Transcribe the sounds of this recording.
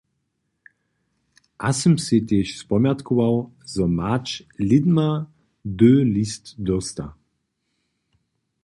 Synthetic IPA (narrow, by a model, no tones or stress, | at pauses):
ʔasəmset̪eːʃspɔmjat̪kʰuvaw | zɔmat͡ʃlɪd̪ma | d̪øːlist̪d̪ɔst̪a